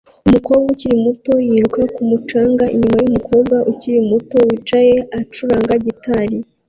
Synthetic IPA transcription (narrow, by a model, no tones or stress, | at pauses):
umuko̞ːbɡauciɾimuto̞jiɾukakumut͡ʃaːŋɡaʔḭɲimajumukʰo̞ːbɡaʔuciɾimuto̞wit͡ʃaje̞at͡ʃuɾaːŋɡaɟitʰaɾi